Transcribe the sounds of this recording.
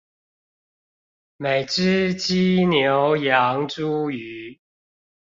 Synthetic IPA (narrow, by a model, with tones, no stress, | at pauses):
me˨˩ɪʈ͡ʂɻ̩˦t͡ɕi˦njo˨˦ʊjɑ˨˦ŋʈ͡ʂu˦y˨˦